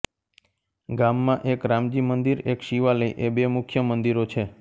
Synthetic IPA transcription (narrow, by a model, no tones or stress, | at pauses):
ɡamːãʔekɾamd͡ʒimənd̪iɾekʃiʋaləiʔebemʊkʰjəmənd̪iɾot͡ʃʰe